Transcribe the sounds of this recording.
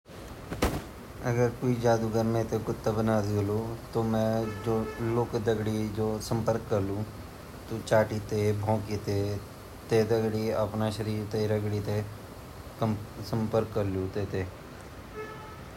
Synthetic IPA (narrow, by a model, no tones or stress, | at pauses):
əɡəɾkoid͡ʒaːd̪uɡəɾmẽt̪ekʊt̪ːabənaːd̪ioloːt̪omɛ̃d͡ʒoːloːkd̪əɡɽid͡ʒoːsə̃mpəɾkːəɾlũː | t̪ot͡ʃaːʈit̪ebʱõːkit̪e | t̪ed̪əɡɽiəpnaʃəɾiːɾt̪eɾəɡɽit̪e | sə̃mpəɾkːəɾlũːt̪eːt̪eː